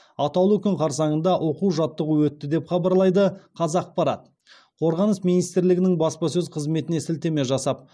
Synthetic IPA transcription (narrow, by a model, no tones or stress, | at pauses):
ɑt̪ɑlˠəkʲʏɴqʰɑɾs̬ɑɴənd̪ɑʔwʔo̞quwʒɑt̪ːəʁəwɵt̪ːɪd̪e̞pχɑbɑɾlˠɑjd̪əqʰɑzɑq̚pɑɾɑt̪ | qʰo̞ɾʁɑnəsmijnijst̪ɪɾlɪɡʲɪnɪŋbɑspɑs̬ɵzqʰəzme̞t̪ɪne̞sɪlt̪e̞me̞ʒɑsɑp̚